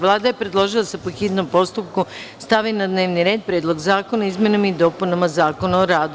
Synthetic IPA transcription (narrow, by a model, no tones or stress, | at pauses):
ʋlˠaːd̪aje̞pɾed̪lˠo̞ʒilˠasapoxiːd̪no̞mpo̞st̪up̚kust̪aʋinad̪ne̞ːʋniɾe̞ːd̪̚pɾeːd̪lo̞ɡzaːko̞naizmjenamaid̪o̞ːpunamazaːko̞naoɾaːd̪u